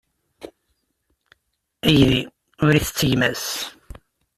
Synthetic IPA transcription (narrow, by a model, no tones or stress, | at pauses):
æjði | ʊɾiθət͡sːəʝmæs